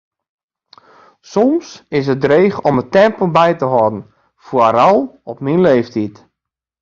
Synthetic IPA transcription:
sɔmsɪs̬ət̚dreːxɔmətɛmpəlˠbɛjtəɦɔdn̩ | fwəɾɔlˠɔpminleːftit

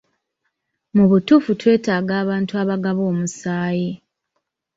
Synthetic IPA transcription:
muβutuːfutwe̞ːtaːɡaːβaːntuaβaɡaβo̞ːmusaːje

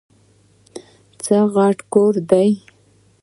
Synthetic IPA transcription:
t͡səɣɑʈkoɾd̪aj

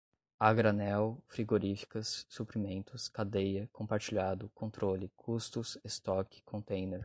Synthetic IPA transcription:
aɡɾanɛwfɾiɡoɾifi̥kɐsːupɾimẽnt̪ʊskad̪ejɐkõmpaɾt͡ʃiʎad̪ʊkõnt̪ɾolɪkʰust̪ʊsest̪ɔkɪ̥kʰõnt̪ẽj̃neɾ

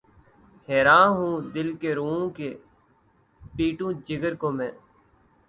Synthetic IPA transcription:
heːɾãːɦũːd̪ɪlkeːɾoːõːkeː | piːʈũːd͡ʒɪɡəɾkoːmɛ̃ː

